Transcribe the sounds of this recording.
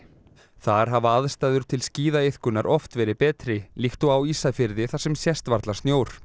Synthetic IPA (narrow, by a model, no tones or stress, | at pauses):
θaɾ̥ɦavaaðst̪aːjðʏɾ̥t̪ʰɪlsciːðaɪθkʏnːaɾʔɔft̪vɛːɾɪpɛːt̪ɾɪlixt̪ɔwawisafɪɾðɪθasɛmsjɛst̪vaɾt̪lḁst̪njoːwɾ̥